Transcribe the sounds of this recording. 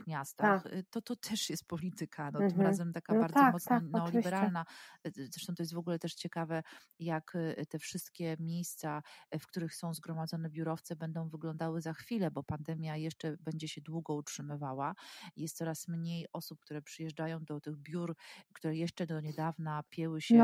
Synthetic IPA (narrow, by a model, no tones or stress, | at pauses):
xmʲjast̪axt̪ɔt̪ɔt̪ʰɛʂjɛst̪̚pɔlʲit̪ɘkʰanɔt̪ɘmɾazɛmt̪akabaɾd̪zɔmɔt̪sanɛɔlʲibɛɾalnazɾɛʂt̪ɔ̃t̪ɔjɛs̬t̪vɔɡulɛt̪ɛʂt͡ɕɛkavɛ | jakt̪ɛfʂɘst̪kʲɛmʲjejst̪safkt̪uɾɘxsɔ̃w̃zɡɾɔmad̪zɔnɛbʲjuɾɔft̪sɛbɛnd̪ɔ̃w̃vɘɡlɔnd̪awɘzaxfʲilɛbɔpand̪ɛmʲjajɛʂt͡ʂɛbɛɲd͡ʑɛɕɛd̪wuɡɔutʂɘmɘvawajɛst̪sɔɾasmɲejɔsup̚k̚t̪uɾɛpʂɘjɛʐd͡ʐajɔ̃w̃d̪ɔt̪ɘɣbʲjuɾkt̪uɾɛjɛʂt͡ʂɛd̪ɔɲɛd̪avnapʲjɛwɘɕɛ